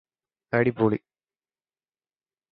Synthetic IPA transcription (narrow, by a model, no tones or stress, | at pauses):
kɐɽipːoːɭi